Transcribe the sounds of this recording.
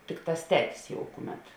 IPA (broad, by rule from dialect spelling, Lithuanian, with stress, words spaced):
ˈtʲɪkˌtɑːs ˈtʲæːtʲɪs jɛʊ ˈkʊˌmʲɛt